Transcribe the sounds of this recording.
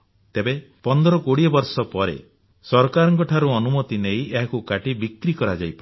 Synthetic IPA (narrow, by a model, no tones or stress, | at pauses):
t̪ebe | pɔnd̪ɔɾɔkoɽiɔbɔɾsɔpɔɾḛ | sɔɾkaɾɔŋkɔʈʰaɾuɔnumɔt̪inejʔeɦakukaʈibikɾikɔɾad͡ʒajpa